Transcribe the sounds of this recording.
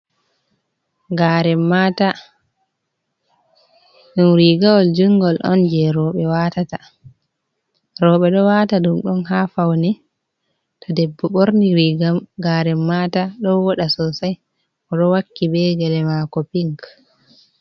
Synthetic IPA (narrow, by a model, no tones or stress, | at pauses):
ɡaɾɛmːata | ɗumɾiɡawɔld͡ʒuŋɡɔlʔɔ̰nd͡ʒɛɾɔːɓɛwatata | ɾɔɓɛɗɔwataɗumɗɔnɦaːfawnɛ | tadɛbːɔɓoɾniɾiɡamɡaɾɛmːaːtaɗɔwɔɗasɔsaj | ɔɗɔwakːibɛɡɛlɛmakɔpiŋk